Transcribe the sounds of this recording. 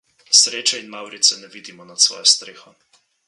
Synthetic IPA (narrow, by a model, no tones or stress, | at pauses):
sɾeːt͡ʃɛinmawɾit̪sɛnɛʋiːd̪imɔnat̪sʋɔ̰ːjɛst̪ɾeːxɔ